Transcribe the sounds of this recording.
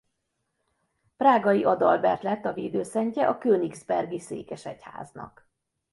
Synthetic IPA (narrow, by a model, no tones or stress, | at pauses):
praːɡɒjiʔɒd̪ɒlbɛrt̪lɛt̪ːɒveːd̪øːsɛɲcɛʔɒkøːniɡzbɛrɡisḛːkɛʃɛcha̰ːznɒ̰k